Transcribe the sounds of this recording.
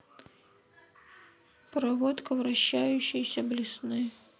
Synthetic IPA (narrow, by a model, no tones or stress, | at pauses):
pɾɐʋɔt̪kɔʋɾɐɕːajʊɕɪjsʲɐblʲisnɪ